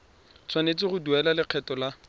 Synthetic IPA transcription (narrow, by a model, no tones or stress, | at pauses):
t͡sʰwanet͡sɪχʊduɛlalɪq͡χʰɛtɔla